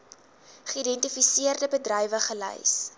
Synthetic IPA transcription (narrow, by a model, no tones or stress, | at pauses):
χəidɛntifisiərdəbədrɐjvəχələ̰js